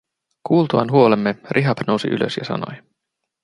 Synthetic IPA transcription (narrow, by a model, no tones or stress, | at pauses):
kuːlt̪uɑ̰nɦuo̞lemːerʔiɦɑpno̞wsḭʔy̰løsjɑsɑ̰no̞̰j